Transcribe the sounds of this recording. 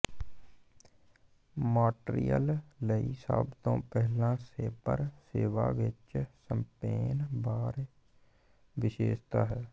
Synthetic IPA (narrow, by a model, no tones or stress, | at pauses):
maːʈɾḭjəlləisa̰bt̪õːpɛɦlãːseːpə̰ɾseːʋaːʋɪt͡ʃsəmpeːnbaːɾ | ʋɪʃeːʃt̪aːɦɛː